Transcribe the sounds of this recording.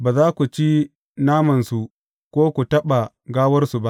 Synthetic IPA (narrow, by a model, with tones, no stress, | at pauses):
baː˨zaː˦kʷu˨t͡ʃi˦ | naː˦mɐ˨nsu˨ | kʷoː˦kʷu˨tɐ˦ɓa˨ | ɡaː˦wɐ˦rsu˨ba˦ʔ